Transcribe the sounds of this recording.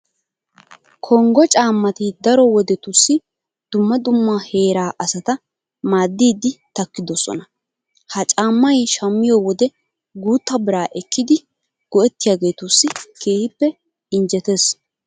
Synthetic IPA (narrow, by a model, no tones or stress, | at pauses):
kʰɔŋɡɔt͡ʃʼaːmːɐt̪ɪd̪ɐɾɔwɔd̪ɛt̪ʊsːɪ | d̪̥ʊmːɐd̪ʊmːahe̞ːɾaːʔɐsɐt̪ɐ | maːd̪ːiːd̪ːɪt̪ɐkːɪd̪ɔsɔ̰nɐ | hɐt͡ʃʼaːmːɐjʃɐmːɪjɔwɔd̪ɛ | ɡuːt̪ːɐbɪɾaːʔɛkːɪd̪ɪ | ɡ̥ɔɛt̪ːɪjaːɡe̞ːt̪ʊsːɪkʰe̞ːhɪpːɛ | ɪnd͡ʒɛt̪es